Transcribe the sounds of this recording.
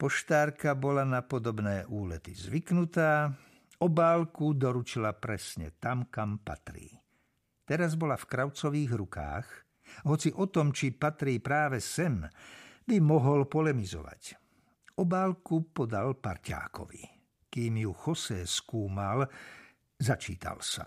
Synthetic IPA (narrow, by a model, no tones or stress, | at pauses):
pɔʃt̪aːɾkabɔlanapɔd̪ɔbnɛːʔuːlɛt̪izʋiknut̪aː | ɔbaːlkud̪ɔɾut͡ʃilapɾɛsɲɛ̰t̪amkampa̰t̪ɾḭː | t̪ɛɾazbɔlafkɾaʊt͡sɔʋiːɣɾuka̰ːx | ɦɔt͡siʔɔt̪ɔmt͡ʃipat̪ɾiːpɾaːʋɛsɛmbimɔɦɔlpɔlɛmizɔ̰ʋa̰c | ɔbaːlkupɔd̪alpaɾca̰ːkɔ̰ʋḭ | kiːmjuxɔsɛːskuːmal | zat͡ʃḭːt̪a̰lsa̰